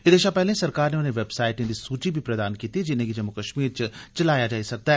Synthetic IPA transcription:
ɪd̪eːʃapɛɦlẽsɐɾkaːɾneʊnɦẽʋeːbsaːɪʈẽd̪isuːt͡ʃibʱipɾɐd̪aːnkiːt̪id͡ʒɪnẽkid͡ʒɐmːʊkɐʃmiːɾt͡ʃɐt͡ʃɐlaːjad͡ʒaːisɐk̚t̪aɦɛː

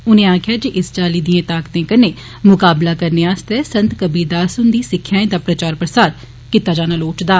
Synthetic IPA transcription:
ʊnẽːãːkʰɪjaːd͡ʒeːʔɪst͡ʃaːliːd̪iãːt̪aːkt̪ẽːkəneː | mʊkaːblaːkəɾneːaːst̪ɛːsə̃nt̪kəbiːd̪aːsʊnd̪iːsɪkʰːjaːẽd̪aːpɾət͡ʃaːɾpɾəsaːd̪ | kit̪ːaːd͡ʒaːnaːloːʈd̪aː

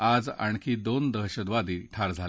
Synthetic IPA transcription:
ad͡zaɳkʰiːd̪ond̪əɦɕəd̪ʋad̪iːʈʰaɾd͡zʱal

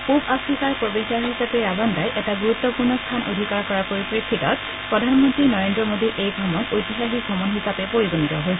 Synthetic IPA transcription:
pubasikaɹpɔbisaɹɦisapɛabandajʔɛtaɡuɹut̪ːɔpuɹnɔstʰanʔodʱikaɹkɔɹakojpɹikʰːikɔt̚ | pɹɔdʱanmɔntɹinɔɹendɹɔmodiʔejɡʱɔmɔnojtiɦaxiɡʱɔmɔnɦisapɛpoɹiɡunitɔɦojsɛ

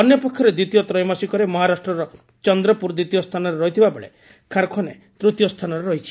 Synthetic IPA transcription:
ɔnjɔpɔkʰːjɔɾed̪it̪ijɔt̪ɾɔjmasikɔɾemɔɦaɾasʈɾɔɾɔ | t͡ʃɔnd̪ɾɔpuɾd̪it̪ijɔst̪ʰanɔɾeɾɔɦit̪ʰibabeɭḛ | kʰaɾkʰɔne | t̪ɾut̪jɔst̪ʰanɔɾeɾɔɦit͡ʃʰi̥

